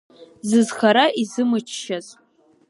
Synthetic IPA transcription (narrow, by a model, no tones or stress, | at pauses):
zɨzχaɾaʔizɨmɨt͡ʃʰʃaz